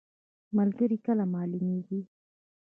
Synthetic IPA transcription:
malɡəɾikəlamɑlumeɡi

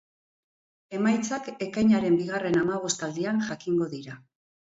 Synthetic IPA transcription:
e̞majt͡sake̞kajɲaɾe̞mbiɣ̞are̞namaβ̞o̞st̪ald̪ianʝakiŋɡo̞ðiɾa

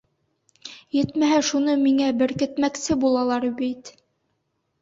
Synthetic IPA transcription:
jɘt̪mæɦæʃunɤmiŋæbɘɾkɘ̆t̪mæksɘbulˠɑlˠɑɾbit̪

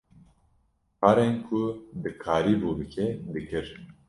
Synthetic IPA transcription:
pʰaːɾenkʰud̪ɨkʰaːɾiːbuːbɨkʰɛd̪ɨkʰɨɾ

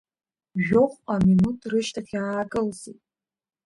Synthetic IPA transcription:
ʒᶣoχʷʼaminutʰʼrɨʃtʰaχʲaːkʼɨlzitʼ

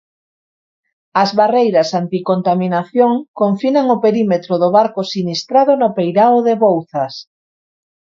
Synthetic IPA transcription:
ɐzβarejɾɐsant̪ikont̪aminaθjoŋkoɱfinaŋopeɾimet̪ɾoðoβaɾkosinist̪ɾaðonʊpejɾaoðeβowθɐs

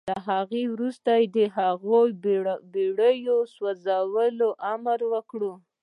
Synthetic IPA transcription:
laɦaɣewɾust̪ajed̪əɦaɣojbeɽəjoswazawəloʔamaɾwəkɽu

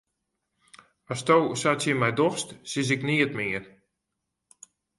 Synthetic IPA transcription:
astowsatsjəmɛjdɔxstsɪs̬ɪkniətmɪər

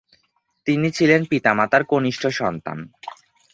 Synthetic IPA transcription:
t̪init͡ɕʰilenpit̪amat̪aɾkoniʃʈʰoʃɔnt̪a̰n

